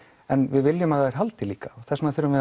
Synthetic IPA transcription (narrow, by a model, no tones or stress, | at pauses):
ɛnvɪðvɪljʏmaðhaɛɾ̥ɦalt̪ɪliːkḁɔɣθɛsnaθʏɾʏmvɪ